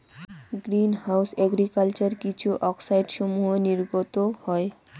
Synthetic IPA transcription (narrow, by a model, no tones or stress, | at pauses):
ɡɾinhawsɛɡɾikalt͡ɕaɾkit͡ɕʰuʔɔksajɖʃomuɦoniɾɡot̪ohɔe